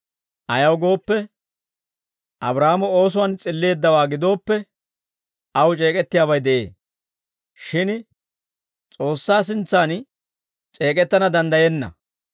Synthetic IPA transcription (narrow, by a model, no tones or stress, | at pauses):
ʔɐjɐwɡo̞ːpːɛ | ʔɐbɾaːmɔo̞ːs̬ʊwant͡sʼɪlːe̞ːd̪ːɐwaːɡɪd̪o̞ːpːɛ | ʔɐwt͡ʃʼe̞ːkʼɛt̪ːɪjaːβɐjd̪ɛʔe̞̰ː | ʃɪn | t͡sʼo̞ːsːaːs̬ɪnt͡sːaːn | t͡ʃʼe̞ːkʼɛt̪ːɐnɐd̪ɐnd̪ɐjɛnːɐ̰